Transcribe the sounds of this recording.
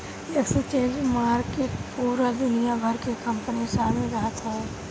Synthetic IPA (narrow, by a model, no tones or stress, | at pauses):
eksət͡ʃẽːd͡ʒmaːɾkepuːɾad̪ʊnijabʱɐɾkekɐ̃mpənisaːɾmeɾəɦat̪ɦɛ